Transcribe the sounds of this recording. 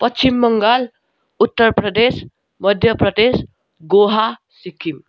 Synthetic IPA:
pʌt͡ʃimːʌŋɡal | ut̪ːʌɾpɾʌd̪es | mʌd̪ʱjʌprʌd̪es | ɡoɦa | sikʰːim

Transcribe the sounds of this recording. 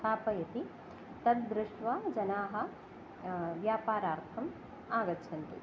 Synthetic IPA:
aːpɐjɐt̪i | t̪ɐd̪̚d̪ɾɪʂʈʋad͡ʒɐnaːɦɐ̆ | ʋjaːpaːɾaːɾt̪ʰɐm | aːɡɐt̪ːʃʰɐnt̪ḭ

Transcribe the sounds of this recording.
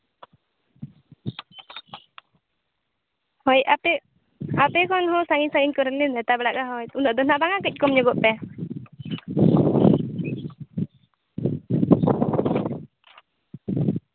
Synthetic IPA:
hɔjɛ | apɛkɔnhɔ̃saŋiɲsaŋiɲkɔɾɛnlinɛt̪abɛɽaʔɡaɦɔjt̪unɔʔd̪ɔnabaŋakəc̚ˀkɔmɲɔɡɔʔpɛ

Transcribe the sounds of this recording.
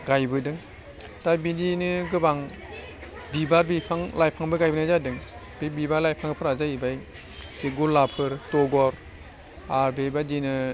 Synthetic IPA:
ɡajbɯdɯŋ | tajbidinɯɡɯbaŋ | bibaɾbipʰaŋlajpʰaŋbɯɡajbɯnajzadɯŋ | bibibaɾlajpʰaŋɡɯpʰɯɾazaibaj | biɡuɾlapʰɯɾtɔɡɔɾ | aɾbebadinɯ

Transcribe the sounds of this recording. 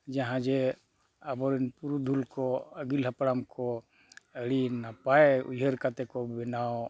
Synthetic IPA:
d͡ʒaɦãd͡ʒɛ | abɔɾɛnpuɾud̪ʱulkɔəɡilɦapɽamkɔ | əɽinapaeṵd͡ʒʱeɾkat̪ɛkɔbɛnaw

